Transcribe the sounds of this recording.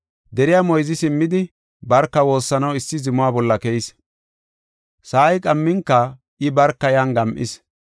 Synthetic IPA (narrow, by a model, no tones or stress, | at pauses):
d̪ɛɾɪjamɔjzɪsɪmːɪd̪ɪ | bɐɾkːɐwo̞ːsːɐnɐwɪsːɪzɪmʊwaːbɔlːɐkɛjɪs | saːjkʼɐmːɪŋkːɐ | ʔɪbɐɾkːɐjanɡɐmʔɪ̰s